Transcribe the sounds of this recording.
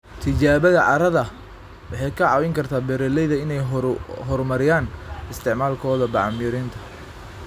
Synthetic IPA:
t̪ʰɪt͡ʃaːβɐðɐʕɑ̰ɾɐðɐ | wɑħɑjkʰɐʕɑːwɪŋkʰɐrt̪ʰaːbɛɾɛlɛjðɐɪnɛjɦɔrmɐɾɪjaːnɪst̪ʰɪʕmaːlkʰɔːðɐbɑʕɑmjʊɾɪnt̪ʰɐ̥

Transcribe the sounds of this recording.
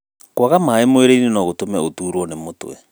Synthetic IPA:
kwaɣamaemoeɾeinenɔɣotomɛotuːɾwɔnemotw̰ɛ̰

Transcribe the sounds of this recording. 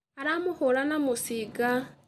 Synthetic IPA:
aɾamuxulanamusiɡa

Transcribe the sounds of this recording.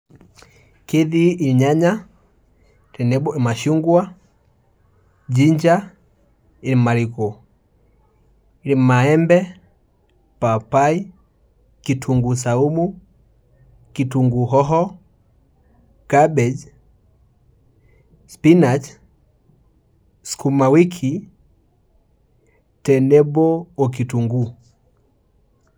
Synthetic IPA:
kiðiɲaɲa | tɛnɛbɔʔɛmaʃuŋɡwa | d͡ʒiɲd͡ʒa | iɾimaɾikɔ | ilimmaɛmbɛ | papai | kitʰuŋɡus̬aumu | kituŋɡuɦɔɦɔ | ɡ̥abɛd͡ʒ | spinat͡ʃ | skumawikʰi | tɛnɛbɔɔk̬ituŋɡu

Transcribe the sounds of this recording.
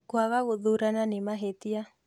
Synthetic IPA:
kwaɣaɣʊðuɾananɪmaɦet̪ia

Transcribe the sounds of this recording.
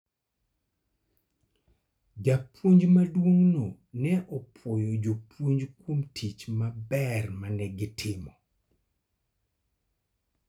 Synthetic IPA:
d͡ʒapʰwoɲd͡ʒmadwoŋno | nɛʔɔpʰɔjɔd͡ʒopwoɲd͡ʒkwomtʰit͡ʃmabɛrmanɛɡɪtʰɪmɔ

